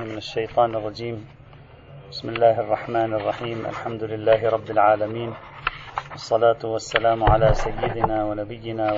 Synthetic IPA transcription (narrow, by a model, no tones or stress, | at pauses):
mɪnaʃːajt̪ˤɑːnɑrˤːɑd͡ʒiːm | bɪsmɪlːaːhɑrˤːɑħmaːnɑrˤːɑħiːmʔa̰lħamd̪ʊlɪlːaːɦɪɾˤɑbːɪlʕaːlamiːn | wɑsˤːɑlaːt̪ʊwasːalaːmʕalaːsajːɪd̪ɪnaːwanabɪjːɪnaː